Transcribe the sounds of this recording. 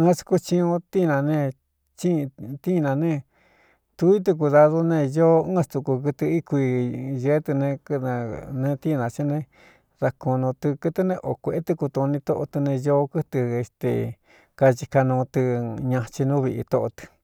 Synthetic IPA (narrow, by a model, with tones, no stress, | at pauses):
ɨ̃˦su̥˧ku˧t͡ʃĩ˧õ˧t̪i˦˧nã˧nẽ˦˧ | t͡ʃi˦˧t̪i˦˧nã˨˧nẽ˦˧ | t̪u˧˦i˦t̪̬u˧k̬u˧ða˧ðo˧nẽ˦˧jo˦ɨ̃ː˦st̪u˧ku˧kɨ˧t̪ɨ˧i˦kʷi˧ʒe˧˦t̪ɨ˧nẽ˧knã˧nẽ˧t̪i˦˧nã˨t͡ʃi˦nẽ˧ | ða˧ko˧nõ˧t̪ɨ˧kɨ˧t̪ɨ˧nẽ˧ʔo˨kʷe˧ʔe˦t̪ɨ˧ku˧t̪u˧nĩ˧t̪o˦ʔo˧t̪ɨ˧nẽ˧jo˦kɨ˦t̪ɨ˧e˧st̪ḛ˨ | ka˧t͡ʃi˧ka˧nũː˧t̪ɨ˧ɲã˧t͡ʃi˧nũː˦βi˧ʔḭ˧t̪o˧ʔo̰˧t̪ɨ̥˧